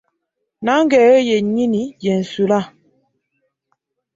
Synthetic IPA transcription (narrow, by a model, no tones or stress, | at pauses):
naŋɡɛɔjɛɲinijɛn̩sula